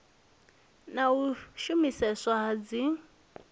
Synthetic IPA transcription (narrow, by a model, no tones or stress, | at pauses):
nauʃumisɛswaɦad͡zi